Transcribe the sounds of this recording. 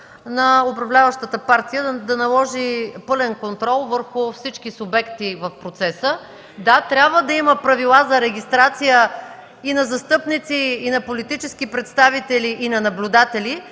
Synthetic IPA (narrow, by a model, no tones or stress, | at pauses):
nɐʊpɾɐvlʲavəʃt̪ət̪əpaɾt̪ijəd̪ɐnɐlˠɔʒipɤlɛnkont̪ɾɔlˠvəɾxʊfsit͡ʃkisʊbɛkt̪ivɐfpɾot̪sɛsə | d̪at̪ɾʲjabvəd̪ɐiməpɾɐvilˠazɐɾɛɡ̟ʲist̪ɾat̪sijə | inɐzɐst̪ɤpnit̪siːnɐpolit̪it͡ʃɛskipɾɛt̪st̪avit̪ɛliʔinɐnɐblʲʊd̪at̪ɛli